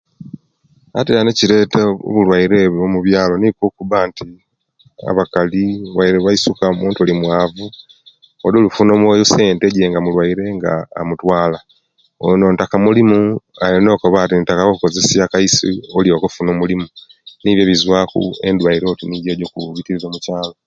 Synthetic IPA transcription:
atelaneciɾe̞ːteo̰βulwaiɾe̞βomuβjaːlo̞nikokuβanti | a̰βakaliβaiɾeβaisukaomuːntulimwaːvu | ololufunomwejuse̞ːnte̞ɟeːŋɡamulwaiɾe̞ŋɡa̰ːmutwaːla | ono̞ːntakamulimuajono̞ːkoβatitakawouko̞ze̞siakaisḭoljokofunomulimuniːβjoβizwaːkṵḛndwaiɾo̞tinijeːɟo̞kuβitiɾizoːmucaːlo̞

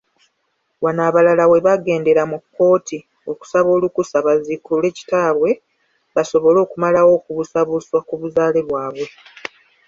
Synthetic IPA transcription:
wanaːβalalawe̞βaɡe̞ːnde̞ɾamukːo̞ːti | oku̥saβo̞ːlukusaβazikule̞ːci̥taːβwe̞ | βaso̞βo̞lo̞ːkumalawo̞ːkuβusaβuswakuβuzaːleβwaːβwe̞

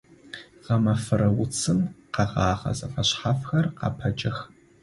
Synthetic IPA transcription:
ʁɐmɐfɨɾɐwʊt͡sʰɨmqɑʁɑːʁɐ̰zɐfɐɕħafxɐrqɑ̰pʰɐt͡ʃʼɐx

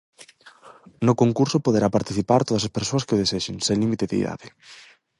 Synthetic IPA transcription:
nʊkoŋkuɾsʊpoðeɾapaɾt̪iθipaɾt̪oðɐsaspeɾsoɐskeʊðeseʃɪŋselimit̪eðḛḭða̰ðɪ

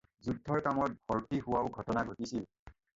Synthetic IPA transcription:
zudʱːɔɹkamɔt̚bʱɔɹtihʊwaʊɡʱɔtɔnaɡʱotisil

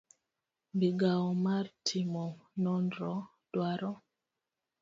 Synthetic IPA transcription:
biɡaɔmartʰimɔnɔndɾɔ | d̥waɾɔ

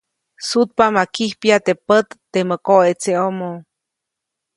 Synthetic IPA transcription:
sut̪̚pamakihpjat̪epət̪ːeməkoet͡seomo

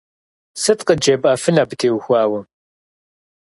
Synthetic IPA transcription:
sɨtqəd͡ʒɐbʼɐfɨnaːbɨtʰeːwxʷaːwɐ

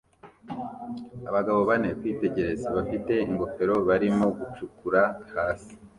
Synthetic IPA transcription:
aβaɡaβo̞βane̞kwiːte̞ɟe̞ɾe̞zeβafite̞iŋɡo̞fe̞ɾo̞βaɾimo̞ɡut͡ʃukuɾahaːsi̥

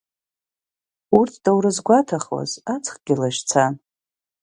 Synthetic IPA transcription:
urtʰd̥awɾɨzɡʷatʰaχwa̰zat͡sʰʼχʼɡ̥ʲɪlaʃt͡sʰan

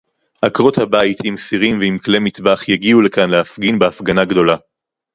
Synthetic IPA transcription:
ʔakʁot̪habait̪imsiʁimveimklemit̪baχjaɡiulekanleafɡinbeafɡanaɡdo̞la

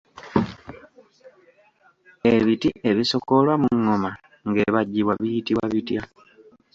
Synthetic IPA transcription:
eβitiʔe̞βiso̞ko̞lwamuŋːoma | ŋɡe̞ːβaɟːiβwaβijitiβwaβitja

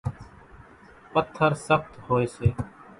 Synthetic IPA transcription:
pət̪ʰːəɾsəxt̪hoːeːseː

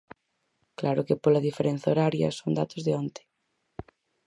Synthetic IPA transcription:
klaɾʊkepolɐðifeɾẽn̟θaoɾaɾjɐ̰soŋd̪at̪ozðeont̪e̥

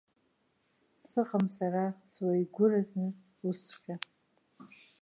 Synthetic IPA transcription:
sɨχamsaraswajɡʷʊraznɨ | ust͡sʰʼχʲa

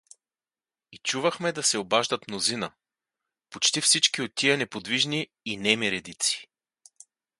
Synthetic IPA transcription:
it͡ʃuvəxmɛd̪ɐsɛobaʒd̪ət̪mnozinə | pot͡ʃt̪ifsit͡ʃkiot̪ːiɐnɛpod̪viʒniː | nɛmiɾɛd̪it̪si̥

